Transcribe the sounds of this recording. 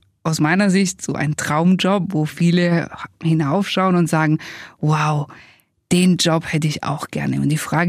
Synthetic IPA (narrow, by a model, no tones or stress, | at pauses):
ʔaʊsmaɪnɐzɪçtz̥o̰ːʔa̰ɪnntʁ̥aʊmd͡ʒɔpvoːfiːləhɪnaʊfʃaʊənʊntz̥aːɡŋ̩waʊ | d̥eːnd͡ʒɔphɛtəɪça̰ʊxɡ̥ɛ̰ɐnə̰ʊnt̚d̥iːfʁ̥aːɡ